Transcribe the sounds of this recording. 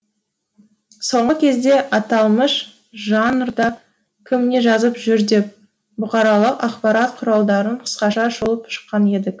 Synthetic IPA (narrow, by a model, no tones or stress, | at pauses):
so̞ɴʁəkʲʰe̞zd̪e̞ʔɑt̪ɑlˠməʃ | ʒɑnrd̪ɑ | kʲʰɪmne̞ʒɑzəpʒʏɾd̪e̞p̚ | bʊqɑɾɑlˠəqɑqpɑɾɑt̪qʰʊɾɑlˠd̪ɑɾəɴqʰə̥sqɑʃɑʒolˠəpʃə̥qːɑne̞d̪ɪk